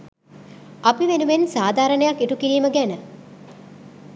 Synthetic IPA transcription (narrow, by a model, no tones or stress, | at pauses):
apiʋenuʋensaːd̪ʱaːɾənəjakːiʈukiɾiːməɡænə